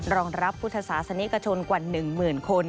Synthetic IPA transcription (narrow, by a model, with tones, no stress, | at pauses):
ɾɔː˧ŋɾa˦˥pʰːu˦˥t̪ʰːa˧saː˩˦sa˧ni˦˥ka˧t͡ɕʰo˧nkwa˨˩nɯ˨˩ŋmɯː˨˩nkʰo˧n